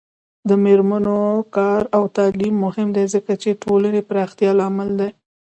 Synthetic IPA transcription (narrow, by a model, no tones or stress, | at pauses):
d̪əmeɾmanokɑɾawt̪ɑlimːʊhɪmd̪ezəkat͡ʃeʈʰolənepɾɑxt̪jɑlɑmɪld̪aj